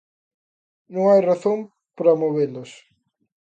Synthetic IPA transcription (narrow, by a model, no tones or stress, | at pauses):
nõŋajraθõm | pɾɐmoβelʊs